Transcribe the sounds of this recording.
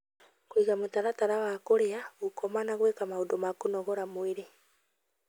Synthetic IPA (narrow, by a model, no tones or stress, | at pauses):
kwiɣamotaɾataɾawakoɾeaɣukɔmanaɣwekamaudomakunɔɣɔɾamweɾe